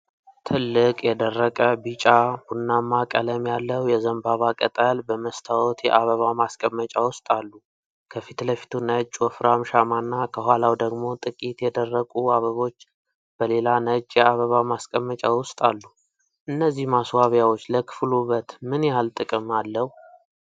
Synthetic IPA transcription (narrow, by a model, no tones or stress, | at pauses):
t̪ʰɨlːɨkʼjɛd̪ərːəkʼəbɨt͡ʃʼab̥unːamːakʼələmjalːəwjɛzəmbaβakʼət̪ʼəlbəməst̪ʰawɔt̪jɛ̰ʔaβəβamaskʼəmːət͡ʃʼawʊst̪ʼalːu | kʰəfit̪ləfi̥t̪ʰunət͡ʃʼːwɔfɾamʃamanːakʰəɦʷalawd̪əɡmo̞t̪ʼɨkʼit̪jɛd̪ərːəkʼuaβəβo̞t͡ʃː | b̥əle̞lanət͡ʃʼːjɛaβəβamaskʼəmːət͡ʃʼawʊst̪ʼalːu | ʔɨnːəzːihmaswaβjawo̞t͡ʃːləkʰɨ̥fluβət̪mɨnjalt̪ʼɨkʼɨmalːəhu